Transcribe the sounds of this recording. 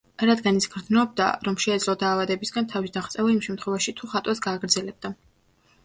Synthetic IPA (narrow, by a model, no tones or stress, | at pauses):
ɾad̪ɡanit̪sʰɡɾd̪znɔb̚d̪a̰ɾɔmʃɛːd̪zlˠɔd̪aːvad̪ɛbisɡant̪ʰavisd̪aχt̪sʼɛvaimʃɛmt̪χwɛvaʃit̪ʰuχat̪ʼwasɡaːɡɾd̪zɛlɛb̚d̪a